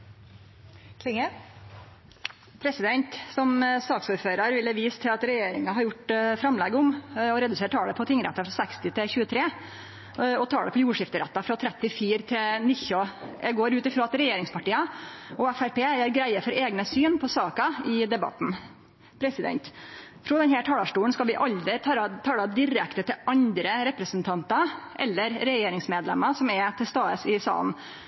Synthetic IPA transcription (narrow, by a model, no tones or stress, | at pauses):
kʰlɪŋə | pʰɾɛsɪd̪ɛnt̪sɔmsɑːksuːɾføːɾɑɾʋɪlːəʋiːst̪ʰɪlɑt̪ɾɛjeːɾɪŋɑɦɑɾjʊʈfɾɑmlɛɡəʊmɔɾɛd̪ʉseːɾʈ̪ʰɑːɽəpʰɔt̪ʰɪŋːɾæ̰t̪ːɑfɾɑsækst̪ɪt̪ʰɪçʉːət̪ʰɾeː | ɔt̪ʰɑːɽəpʰɔjuːʂɪft̪əɾɛt̪ːɑfɾɑt̪ʰɾɛt̪ːɪfiːɾt̪ʰɪnɪçɔɛɡoːɾʉːt̪ɪfɾɑːɑt̪ɾɛjeːɾɪŋspʰɑʈiːəɔæfæɾpeːjæːɾɡɾæɪəfɔɾʔeːɡnəsyːnpʰɔsɑːkɑɪd̪ɛbɑ̰t̪n̩ | pʰɾɛsɪd̪ɛ̰nt̪ | fʰɾɔd̪ɛnhæːʈʰɑːlɑʂʈuːɳ̩skɑlʋɪʔɑld̪ɾɪt̪ʰɑɾt̪ʰɑːɽɑd̪ɪɾɛkt̪ət̪ʰɪɑɲd̪ɾəɾɛpɾəsənt̪ʰɑnt̪ɑʔɛlːəɾɾɛjeːɾɪŋsmeːd̪lɛ̰mːɑsɔmɛt̪ʰɪst̪ɑːəsɪsɑ̰ːln̩